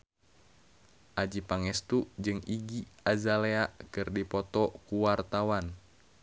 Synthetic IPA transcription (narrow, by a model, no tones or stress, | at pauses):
ʔad͡ʒipaŋɛst̪ud͡ʒɨŋiɡiazaleaʔkɨrdipɔt̪ɔkuwart̪awan